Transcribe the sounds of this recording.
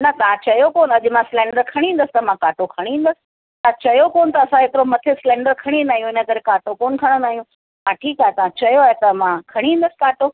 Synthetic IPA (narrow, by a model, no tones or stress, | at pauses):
nɐt̪ãt͡ɕɐjokoːnɐʄmãsɪlɛ̃ːɳɖəɾkʰɐɽ̃ĩɦːnd̪əsɪ̥t̪ɐmãkaːʈokʰɐɽ̃ĩːnd̪əsɪ̥ | t̪ãt͡ɕɐjokoːnt̪ɐːsãɦekɪɾomɐt̪ʰɪsɪlɛ̃ːɳɖəɾkʰɐɽ̃ĩndaːɦijũɪnə̆kɐɾekaːʈokoːnkʰɐɽ̃onaːijũ | mãʈʰiːkaːɦet̪ɐʋãt͡ɕɐjoaːɦet̪ɐmãkʰɐɽ̃ĩɦĩnd̪əsɪ̥kaːʈo